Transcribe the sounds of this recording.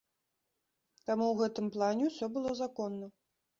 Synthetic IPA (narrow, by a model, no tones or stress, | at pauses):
t̪amuwɣɛt̪ɨmplˠanʲɛwsʲɔbɨlˠɔzakɔnːɐ